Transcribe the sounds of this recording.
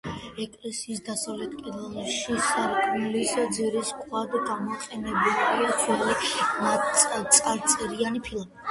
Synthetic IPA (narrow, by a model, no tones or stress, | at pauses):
ɛkʼlɛsiːsd̪asavlɛt̪ʰkʼid̪ɛlˠʃisaɾkʰmlisd̪ziɾiskʰʼwad̪ɡamɔqʼɛnɛbitʰikʰɛlimaat̪sʼaɾt̪sʼɛɾianipʰilˠmi